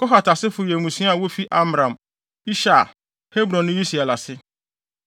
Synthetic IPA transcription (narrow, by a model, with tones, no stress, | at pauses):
kɔ˦ɦa˨ta˨sɪ˦fʊ˨jɛ˨ŋũ˨sĩ˦a˨wo˦fi˦ʔa˦mɾã˨m | i˦ʃa˨ | he˦bɾɔ̃˨nːʊ̃˦ji˦si˨a˨la˨sɪ˦